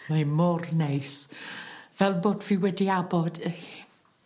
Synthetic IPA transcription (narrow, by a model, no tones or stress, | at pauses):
ɛmɔrnejs | v̥ɛlˠboːdviːwɛdiabɔd̥